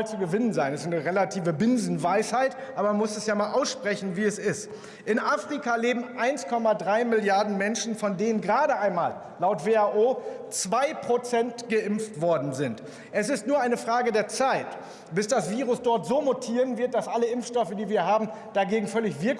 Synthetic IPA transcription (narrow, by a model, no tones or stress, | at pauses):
lt͡suɡəvɪnənzaɪnɛsaɪnəʁelatʰiːvəbɪnzn̩vaɪshaɪtʔaːbɐmanmʊsɛsjaːmaːlʔaʊsʃpʁ̥ɛçn̩viːɛsɪst | ʔɪnʔaːfʁ̥ikaleːbm̩ʔaɪnskʰɔmadʁaɪmɪljaɐdn̩mɛnʃn̩fɔndeːnənɡʁaːɾəʔaɪnmaːlːaʊtv̥eːaʔoːt͡sv̥aɪpʁ̥ot͡sɛntɡ̥əʔɪmftv̥ɔɐdn̩zɪnt | ʔɛsɪstnuːɐʔaɪnəfʁ̥aːɡədeːɐt͡saɪt | b̥ɪsd̥asv̥iːʁʊsd̥ɔɐtz̥oːmotʰiːʁənvɪɐt̚d̥asʔaləɪmfʃtɔfədiːviːɐɦaːbm̩ | d̥aɡeːɡŋ̩fœlɪçv̥ɪɐk